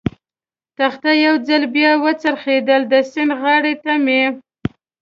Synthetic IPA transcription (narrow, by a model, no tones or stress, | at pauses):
t̪axt̪ajawd͡zalbjɑwət͡saɾxed̪əld̪əsɪnɣɑɽet̪ame